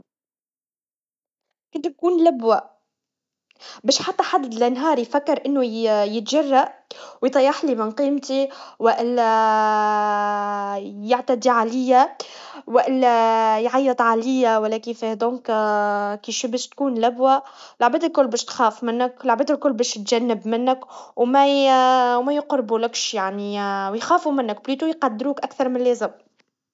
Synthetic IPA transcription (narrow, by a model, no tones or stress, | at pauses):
kɪnt̪̚kuːnlabwa | bɛːʃħat̪ːaħad̪lɪnɦɑːɾˤjfakːɪɾʔɪnːʊjɪt̪ʒarˤːaʔwjt̪ˤɑjːɑħlimɪnqiːmt̪iwɪʔɪlːæ | jaʕt̪ad̪iʕalɪjːawɪʔɪlːjʕajːət̪ˤʕalɪjːæwælːækifæhd̪ˤɔ̃ːŋk | kiʃibɛːʃt̪kuːnlæbwælʕbæːd̪ɪlkʊlːbɛːʃt̪xæːfmɪnːəklʕbɛːd̪ɪlkʊlːbɛːʃt̪ʒænːəbmɪnːəkwmæ | wmæjqɾbulɪkʃjaʕnijxæːfumɪnːəkbliːt̪ujqɑd̪ːɾuːkʔækθɑɾˤmɪnlɛːzɪm